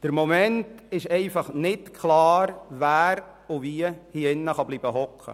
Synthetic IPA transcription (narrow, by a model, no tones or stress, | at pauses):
d̥əɾmɔmɛntɪʃɛɪfɑχnɪtkʰχlɑːɾvæːɾ | ʊviəhiɪnːəχɑbliːb̥əɦɔkχə̰